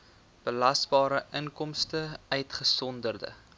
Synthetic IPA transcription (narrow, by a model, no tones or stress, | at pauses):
b̥əlɐsbɑːɾəʔəŋkɔmstəœɥtχəsɔndərdə̰